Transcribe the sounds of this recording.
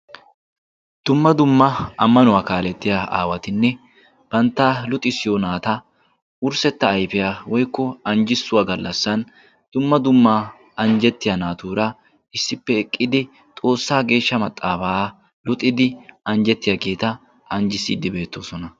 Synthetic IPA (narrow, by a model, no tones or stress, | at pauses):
d̪̥ʊmːɐd̪ʊmːɐɐmːɐnʊwaːkaːlɛt̪ːɪjaa̰ːwɐt̪ɪnːɛ | b̥ɐnt̪ːaːlʊt̪ʼɪsːɪjonaːt̪ɐ | ʊɾsɛt̪ːɐːjfɪjawɔjkːɔɐnd͡ʒɪsːʊwaːɡɐlːɐsːɐn | d̪̥ʊmːɐd̪ʊmːaː | ɐnd͡ʒɛt̪ːɪjɐnaːt̪uːɾɐ | ɪsːɪpːɛɛkʼːɪd̪ɪ | t̪ʼo̞ːsːaːɡe̞ːʃːɐmɐt̪ʼːaːfaː | lʊt̪ʼːɪd̪ɪɐnd͡ʒɛt̪ːɪjɐɡeːt̪ɐ | ɐnd͡ʒɪsiːd̪ɪbe̞ːt̪ːoːsɔnɐ